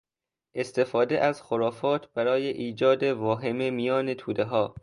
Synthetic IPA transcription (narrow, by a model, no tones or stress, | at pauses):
ʔe̞st̪ʰe̞fɒːd̪eʔæzxoɾɒːfɒːt̪ʰb̥æɾɒːjeʔiːd͡ʒɒːd̪evɒːɦememijɒːnet̪ʰuːd̪eɦɒː